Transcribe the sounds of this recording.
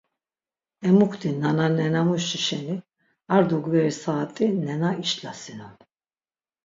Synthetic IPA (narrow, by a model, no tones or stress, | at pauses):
ɛmukʰt̪inananɛnamuʃiʃɛni | aɾd̪uɡvɛɾisaːt̪ʼinɛnaiʃlasinan